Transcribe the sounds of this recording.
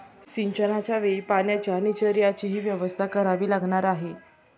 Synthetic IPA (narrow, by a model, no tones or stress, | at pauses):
ɕiɲt͡ɕənat͡ɕjaʋepanjat͡ɕanit͡ɕəɾijat͡ɕiːɦiːʋjəʋəst̪ʰakəɾaʋiːlaɡɳaɾaɦe